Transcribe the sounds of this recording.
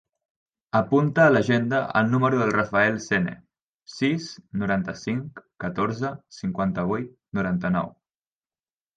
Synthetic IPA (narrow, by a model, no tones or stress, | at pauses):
əpunt̪əːləʒend̪əə̰lˠnuməɾuðəlˠrəfaɛlˠsenḛ | sisnuɾant̪əsiŋkːət̪oɾzəsiŋkwant̪əβ̞ujt̪̚nuɾant̪ənɔ̰w